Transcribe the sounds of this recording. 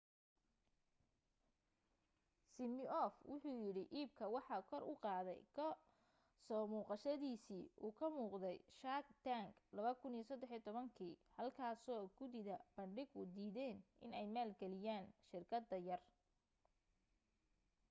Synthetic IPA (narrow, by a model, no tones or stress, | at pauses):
sɪmɪɔfwʊħuːjɪɽɪʔiːb̚kʰɐwɑħɑkʰɔrʔʊqɑːðɛjkʰɐ | sɔːmuːqɑʃɐðiːsiːʔuːkʰɐmuːqd̪ɛjʃaːɡ̚t̪aŋɡlɐβɐkʰʊnijsɐd̪ɛħijɔt̪ʰɔβɐŋkʰiːhɐlkʰaːsɔːɡʊðɪðɐb̥ɐɳɖɪɡʊd̪iːðɛːnʔɪnɛjmaːlɡɛlɪjaːnʃɪrkʰɐd̪ːɐjɐr